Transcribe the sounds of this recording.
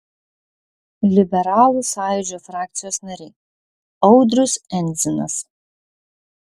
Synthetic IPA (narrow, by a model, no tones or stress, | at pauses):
lʲibʲɛɾalˠusaːjud͡ʒofrak̪̚t͡s̪ʰijosnɐɾʲeː | owdrʊsɛnd͡zɪna̰s